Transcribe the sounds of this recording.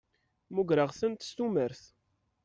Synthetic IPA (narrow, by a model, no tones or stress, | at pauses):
muɡɾəʁsənt̪st̪uməɾθ